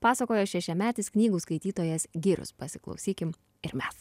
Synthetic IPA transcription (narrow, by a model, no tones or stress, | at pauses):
pɑːsɐkoːjoːʃʲɛʃʲɛmʲæːt̪ʲɪsknʲiːɡuːskɐɪt̪ʲiːt̪oːjɛsɡʲiːɾʲʊ̰spɐsʲɪklˠɒ̰ʊsʲiːkʲɪm | ɪɾmʲɛs